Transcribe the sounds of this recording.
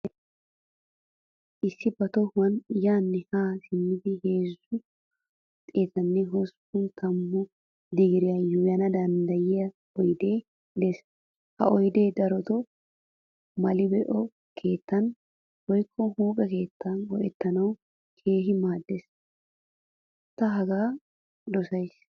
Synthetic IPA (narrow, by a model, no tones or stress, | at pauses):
ʔɪsːɪbɐt̪ɔhwɐnjaːnːɛhaːsɪmːɪd̪ɪhe̞ːzːʊ | t̪ʼeːt̪ɐnːɛɦɔspʊnt̪ʰɐmːʊ | d̪ɪɡɪɾɪjɐjʊjɐnɐd̪ɐnd̪ɐjɪjɐ | ɔjd̪e̞ː | d̪ɛs | hɐ̰ʔɔjd̪e̞ːd̪ɐɾɔt̪ɔ | mɐlɪbɛʔɔ | kʰe̞ːt̪ːɐn | wɔjkʰːɔhuːkʼɛke̞ːt̪ːɐnwɔʔɛt̪ːɐnɐw | kʰe̞ːɦɪmaːd̪ːes | t̪ːɐɦɐɡaː | d̪ɔsɐjs